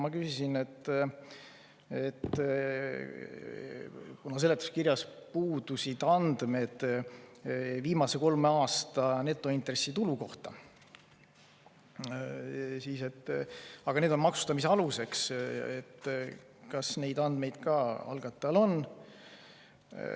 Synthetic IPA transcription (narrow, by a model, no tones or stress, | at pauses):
mɑkysisinet̪ː | et̪ː | kunɑse̞let̪ːˑu̥skirjɑspuːd̪̥usid̪̥ɑnd̪̥me̞d̪̥ | viːmɑse̞ko̞lmeɑːst̪ɑne̞t̪ːˑo̞int̪re̞sːit̪uluko̞ht̪ɑ | siːse̞t̪ːɑɡ̥ɑned̪o̞nmɑksu̥st̪ɑmis̬eɑluse̞kset̪ː | kɑsne̞jd̪ɑnd̪̥me̞jd̪̥kɑɑ̰lɡ̥ɑt̪ːˑɑlo̞n